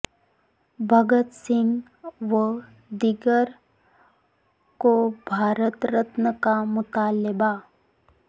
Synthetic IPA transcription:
bʱəɡət̪sɪ̃ŋɡ | ʋə | d̪ɪɡəɾ | kobʱaːɾət̪ɾət̪nəkamʊt̪aːləba

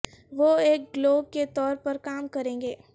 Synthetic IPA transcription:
ʋoːeːk̚ɡloːɡ̚ket̪ɔːɾpɐɾkaːmkɐɾẽːŋɡeː

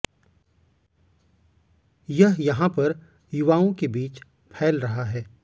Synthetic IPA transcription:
jɐɦjɐɦãpɐɾ | jʊʋaːõkebiːt͡ʃ | pʰɛːlɾɐɦaɦɛː

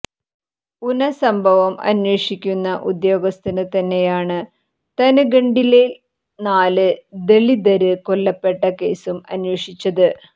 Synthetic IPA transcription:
unɐsɐmbʱɐʋɐmɐ̰nweːʂikʲːunːɐʔud̪jo̞ːɡɐst̪ɐnɨt̪ɐnːe̞jaːɳɨ | t̪ɐnuɡeɳɖile | naːlɨd̪e̞ɭid̪ɐɾɨkoɭːɐpːe̞ʈːɐke̞ːsumɐnwe̞ːʂit͡ɕːɐðɨ

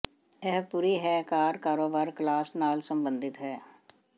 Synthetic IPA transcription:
ɛɦpuːɾiːɦɛːkaːɾkaːɾoːbaːɾklaːsnaːlsəmbənd̪ɪt̪ɦɛː

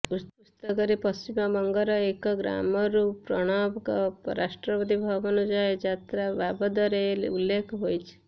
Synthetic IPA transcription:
uust̪ɔkɔɾipɔsimɔmɔŋɡɔɾɔekɔɡɾa̰mɔɾupɾɔɽ̃abkɔpɾasʈɾɔbɔd̪ʱibʱɔbɔnud͡ʒaed͡ʒat̪ɾababɔd̪ɔɾelḛulːekʰɔɦojt͡ʃʰi̥

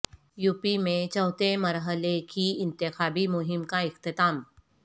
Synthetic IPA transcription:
juːpimẽt͡ʃɔːt̪emɐɾɦəlekiɪ̃nt̪ɪxaːbimʊɦɪmkaɪxt̪ɪt̪aːm

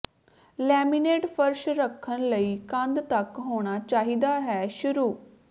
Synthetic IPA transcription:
lɛːmineːʈfʰəɾʃɾəkʰːənləiːkãnd̪t̪ɐkɦoːɽ̃aːt͡ʃaːɦiːd̪aːɦɛːʃʊɾuː

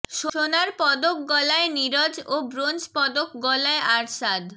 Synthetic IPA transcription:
ʃʃonaɾpɔd̪ok̚ɡɔlaeniɾɔd͡ʑobɾond͡ʑpɔd̪okɡɔlaeaɾʃad̪

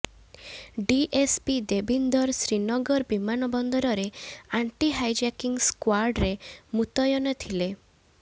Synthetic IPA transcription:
ɖiʔespid̪ebind̪ɔɾsɾinɔɡɔɾbimanɔbɔnd̪ɔɾɔɾeaɳʈiɦajd͡ʒakiŋskwaɾɖɾemut̪ɔjɔnɔt̪ʰile

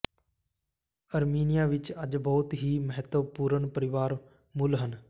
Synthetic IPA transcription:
əɾmiːnijaːʋɪt͡ʃəd͡ʒbɔːt̪ɦiːməɦət̪ʋəpuːɾəɳpəɾɪʋaːɾ | mʊlɦən

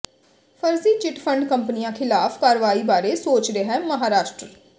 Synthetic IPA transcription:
pʰəɾziːt͡ʃɪʈpʰə̃ɳɖkəmpnijãːkʰɪlaːfkaːɾʋaːiːbaːɾeːsoːt͡ʃɾeːɦɛːməɦaːɾaːʃʈɾə

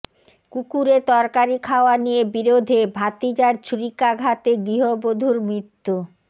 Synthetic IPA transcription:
kukuɾet̪ɔɾkaɾikʰaoanijebiɾod̪ʱebʱat̪id͡ʑaɾt͡ɕɾikaɡʱat̪eɡɾiɦobod̪ʱuɾmɾit̪ːu

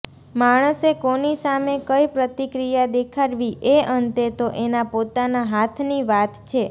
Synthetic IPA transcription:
maɽ̃əsekonisamekəjpɾət̪ikɾijad̪ekʰaɽʋiʔeənt̪et̪oʔenapot̪anaɦat̪ʰniʋat̪t͡ʃʰe

